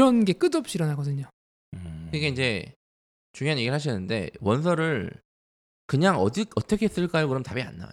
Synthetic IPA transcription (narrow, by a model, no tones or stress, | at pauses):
ɾʌnɡe̞k͈ɯdʌp̚ɕ͈iɾʌnaɡʌdɯɲo | tɯɡe̞ind͡ʑe̞ | t͡ɕuŋjoɦanɲje̞ɡiɾɭhaɕ̬ʰinːɯnde̞̰wʌns̬ʰʌɾɯɭ | kɯɲaŋʌdiʌt͈ʌkʰes͈ɯɭk͈ajokɯɾʌmtabia̰nːa̰